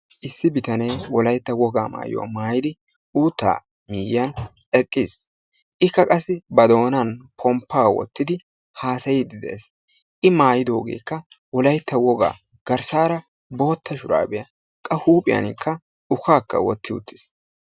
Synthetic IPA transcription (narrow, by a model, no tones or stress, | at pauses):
ʔɪsːɪbɪt̪ɐne̞ːwɔlɐjt̪ːɐwɔɡaːma̰ːjo̰a̰maːjɪd̪ɪ | uːt̪ːa̰ː | miːjɪjɐn | ɛkʼːɪs | ʔɪkːɐkʼɐsːɪbɐd̪o̞ːnɐnpʰɔmpːaːwɔ̰t̪ːɪd̪ɪ | haːsɐjɪd̪ɪd̪ḛːs | ʔɪmaːjɪd̪oːɡḛːkːɐ | wɔlɐjt̪ːɐwɔɡa̰ː | ɡ̥ɐɾsaːɾɐ | bo̞ːt̪ːɐʃʊɾa̰ːbɛjɐ | kʼɐhuːpʼɪjɐ̰nɪkʰːɐ | ʊkaːkːɐ̰wɔt̪ːɪʊ̰t̪ːɪ̥s